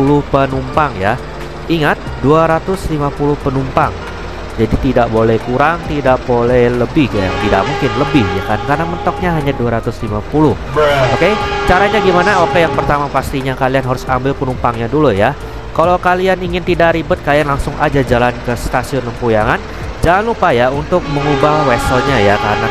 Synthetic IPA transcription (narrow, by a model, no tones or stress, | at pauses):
ulʊhpənumpaŋja | iŋat̪̚duaɾat̪ʊslimapulʊhpənumpaŋ | d͡ʒadit̪idaʔbolɛhkuɾaŋt̪idaʔbolɛhləbɪhkaja̰ŋt̪ida̰ʔmuŋkɪnləbɪhja̰kankarnamənt̪ɔk̚ɲaɦaɲaduaɾat̪ʊslimapulʊh | oket͡ʃaɾaɲaɡimanaokejaŋpərt̪amapast̪iɲakalianɦaɾʊsambɪlpənumpaŋɲaduluja | kalawkalianiŋɪnt̪idaʔɾibʊt̪̚kalianlaŋsʊŋa̰d͡ʒad͡ʒalankəst̪asiʊnəmpujaŋan | d͡ʒalanupajaunt̪ʊk̚məŋubahwɛsəlɲajakaɾəna